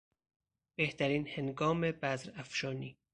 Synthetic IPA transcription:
b̥eht̪ʰæɾiːnheŋɡɒːmebæzɾæfʃɒːniː

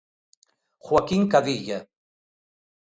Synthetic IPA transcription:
xwakiŋkaðiʎa

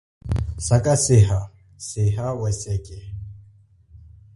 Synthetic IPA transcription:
sakʼasɪɦa | sɪɦawɛsɛkʼɛ

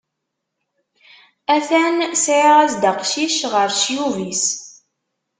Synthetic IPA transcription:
æθænsʕʁæsd̪əqʃiʃʁəɾʃjuvis

